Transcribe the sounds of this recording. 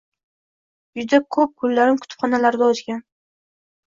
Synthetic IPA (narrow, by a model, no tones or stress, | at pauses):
jʊd̪akʰɵp̚kʰʊlːaɾɪmkʰʊ̥t̪ʰʊ̥pχɒnalaɾd̪aɒzɡʲan